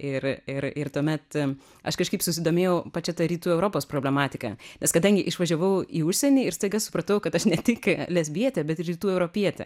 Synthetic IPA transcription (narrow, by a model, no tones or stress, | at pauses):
ɪrɪrɪɾt̪uɔmʲɛt̪ | ɐʃkɐʃkɐɪpsʊsʲɪd̪oːmʲeːjɛʊpɐt͡ʃʲɛt̪ɐɾʲiːt̪uːɛʊɾoːpoːspɾoːbʲlʲɛmɑːt̪ʲɪkɐ̰nʲɛskɐd̪ɐŋʲɡʲɪʔɪʃʋɐʒʲɛʋɐʊiːʊʃʲsʲɛnʲiːɪɾst̪ɐɪɡɐlsʊ̥pɾɐt̪ɐʊkɐt̪ɐʃnʲɛt̪ʲɪklʲɛzʲbʲiɛt̪ʲɛbʲɛt̪ɪɾʲiːt̪uːɛʊɾoːpʲiɛt̪ʲɛ̰